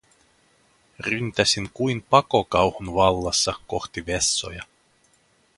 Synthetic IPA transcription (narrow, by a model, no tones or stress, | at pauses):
rynt̪æsinkujnpɑkokɑwhunʋɑlːɑsːɑko̞xt̪iʋesːo̞̰jɑ